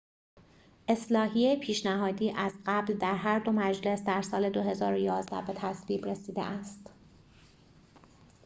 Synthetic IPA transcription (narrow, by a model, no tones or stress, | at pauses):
ʔe̞slɒːɦiepʰiːʃnæɦɒːd̪iːʔæzɢæbld̪æɾɦæɾd̪o̞mæd͡ʒle̞sd̪æɾsɒːle̞d̪o̞ɦe̞zɒːɾojɒːzd̪æ̰be̞t̪ʰæsviːbɾesiːd̪ḛʔæst̪